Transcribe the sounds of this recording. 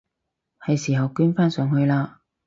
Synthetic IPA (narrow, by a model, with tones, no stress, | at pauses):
hɐ˨˧jsiː˨˩ɦɐ˨wkyː˥nfaː˥nsœː˨˧ŋhɵ˧ɥlaː˧